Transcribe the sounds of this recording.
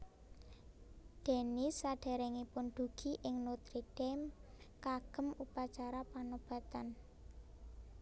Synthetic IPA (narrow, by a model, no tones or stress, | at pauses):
d̪̥e̤nisaɖ̥ɛ̤ɾɛŋipʊnd̪̥ṳɡ̥i̤ʔɪŋnot̪ɾiɖɛmkaɡ̥ə̤mupat͡ʃaɾapanob̥ä̤t̪an